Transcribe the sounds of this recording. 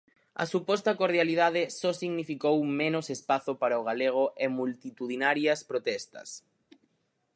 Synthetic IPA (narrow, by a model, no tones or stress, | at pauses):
ɐ̰supɔst̪ɐkoɾðjaliðaðɪsɔsiɣnifikowmenʊsespaθʊpaɾɐoɣaleɣ̞ʊʔɛmult̪it̪uðinaɾjɐspɾot̪ɛst̪ɐ̰s